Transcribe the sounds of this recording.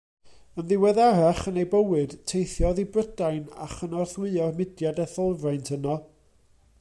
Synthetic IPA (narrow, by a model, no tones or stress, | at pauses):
ənðɪwɛðaɾaχənejbəwɨd̥tʰejθjɔðibrədajna̰χənɔrθwɨɔrmɪdjadɛθɔlˠvrajntʰhənɔ